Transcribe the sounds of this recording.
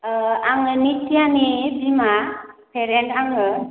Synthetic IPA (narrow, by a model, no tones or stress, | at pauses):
aŋɯnitʰianibimapʰɛɾɛntaŋɯ